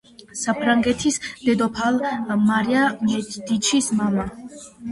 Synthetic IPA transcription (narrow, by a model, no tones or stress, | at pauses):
sapʰɾaŋɡɛt̪ʰisd̪̥ɛd̪ɔpʰalˠmaɾiamɛd̪̥it͡ʃʰismama